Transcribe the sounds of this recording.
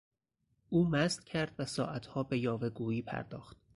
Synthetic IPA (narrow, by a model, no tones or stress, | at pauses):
ʔuːmæst̪̚cʰæɾd̪̥væsɒːʔæt̪ʰhɒːbe̞jɒːveɡuːiːpʰæ̰ɾd̪ɒ̰ːxt̪̚